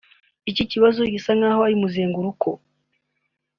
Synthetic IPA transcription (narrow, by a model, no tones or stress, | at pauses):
iciciβazoɡisaŋaːhoaɾimuzeːŋɡuɾukʰo